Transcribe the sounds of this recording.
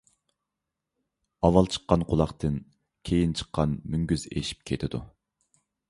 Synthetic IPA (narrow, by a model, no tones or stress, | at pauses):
ɑwɑlˠt͡ʃʰə̥qːɑnqʰʊlˠɑχt̪ʰɨn | kʲʰejint͡ʃʰə̥qːɑnmyŋɡʲyzḛʃi̥p̚kʲʰet̪ʰɪd̪u